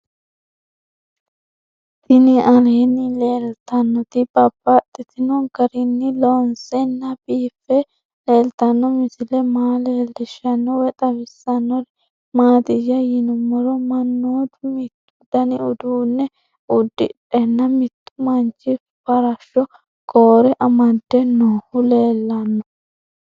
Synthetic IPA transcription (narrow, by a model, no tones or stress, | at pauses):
t̪ɪnɪʔɐleːnːɪleːlt̪ɐnːɔt̪ɪb̥ɐb̥ːɐt̪ʼːɪt̪ɪnɔnɡɐɾɪnːɪlonsɛnːɐbiːfɛ | le̞ːlt̪ɐnːɔmɪsɪlɛmaːleːlːɪʃɐnːɔwɛt̪ʼɐbɪsːɐnːɔɾ | maːd̪ɪjɐjɪnʊmːɔɾɔmɐnːoːd̪mɪt̪ːʊd̪ɐnɪʊd̪uːnːɛ | ʊd̪ːɪᶑʼɛnːɐmɪt̪ːʊmɐnt͡ʃːɪ | fɐɾɐʃɔ | ɡoːɾɛʔɐmɐd̪ːɛnoːhʊleːlːɐnːɔ